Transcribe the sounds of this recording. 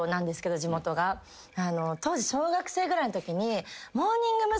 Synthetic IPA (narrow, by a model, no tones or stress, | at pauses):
nãnd̪e̞sɨ̥ke̞d̪o̞d͡ʑimo̞t̪o̞ɡa | ano̞t̪o̞ːʑiɕo̞ːɡakɯ̟̥se̞ːɡɯɾainot̪o̞kʲiɲ̟imo̞ːɲ̟ĩŋɡɯ̟ma